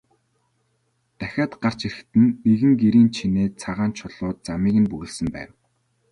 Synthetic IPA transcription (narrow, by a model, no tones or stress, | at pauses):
t̪æxʲaːt̪ɢar̥t͡ɕeɾɘ̆xt̪ɘ̆nːeɣɘ̆ŋɡeɾiːnt͡ɕʰineːt͡sʰaʁaːnt͡ɕʰʊɮʊːt̪̚t͡samiːɣɘ̆npuɣɘ̆ɮsə̆mpæ̰ːw